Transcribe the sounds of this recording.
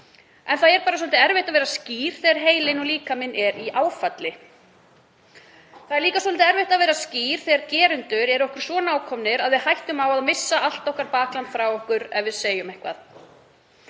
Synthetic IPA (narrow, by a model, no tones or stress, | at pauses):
ɛnθaðɛɾpaːɾaswɔlt̪ɪɛɾvɛjht̪aðvɛːɾasciːɾ̥θɛɣaɾ̥ɦeːjlɪnɔliːkamɪnʔɛɾiʔaːwfat̪lɪ | θaðɛɾliːkaswɔlt̪ɪɛɾveht̪aðvɛːɾasciːɾ̥θɛɣaɾcɛːɾʏnt̪ʏɾɛɾɔhkʏɾ̥svɔːnaːwkʰɔmnɪɾaðvɪðhajht̪ʏmawaðmɪsːaal̥t̪ɔhkaɾpaːklant̪fɾawɔhkʏɾɛvɪðseːjʏmɛhkva̰ð